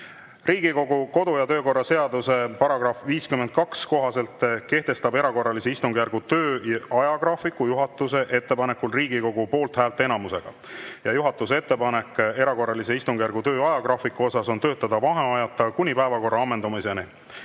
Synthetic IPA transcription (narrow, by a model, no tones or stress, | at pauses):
riːɡiko̞ɡuko̞d̪ujɑt̪ø̞ːko̞rːɑse̞ɑd̪use̞pɑɾɑɡ̥rɑfviːskymend̪̥̚kɑksko̞ɦɑse̞lt̪ke̞ht̪e̞st̪ɑbe̞ɾɑko̞rːɑlise̞ist̪uŋɡ̥jærɡ̥ut̪ø̞ːɑjɑɡrɑfikːujuɦɑt̪ːˑuse̞ʔe̞t̪ːe̞pɑne̞kːulriːɡiko̞ɡ̥upo̞ːlt̪hæːlt̪ːˑe̞nɑmuse̞ɡ̥ɑ | jɑjuɦɑt̪ːˑuse̞t̪ːe̞pɑnekːˑe̞ɾɑko̞rːɑlise̞ist̪uŋɡ̥jærɡ̥ut̪ø̞ːɑjɑɡrɑfikːuo̞sɑso̞nt̪ø̞ːt̪ːˑɑd̪̥ɑvɑɦeɑjɑt̪ːˑɑkunʲipæevɑko̞rːɑɑmːend̪umisene